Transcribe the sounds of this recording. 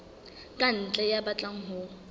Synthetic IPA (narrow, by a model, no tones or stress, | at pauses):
kʼan̩t͡ɬʼɛjabat͡ɬʼaŋ̩ɦʊ